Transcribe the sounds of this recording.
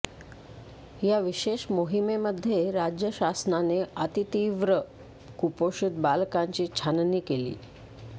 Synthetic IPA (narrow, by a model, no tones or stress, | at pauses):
jaʋiɕeɕmoɦimeməd̪ʱːjeɾad͡ʑjəɕasnaneət̪it̪iʋɾə | kupoɕud̪̚balkaɲt͡ɕiːt͡ɕʰanniːkelḭː